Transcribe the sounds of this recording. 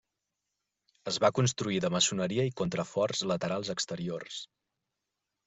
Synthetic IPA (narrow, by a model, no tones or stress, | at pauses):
əzβakunst̪ɾuiðəməsunəɾiəikont̪ɾəfɔrzlət̪əɾalˠzəkst̪əɾiors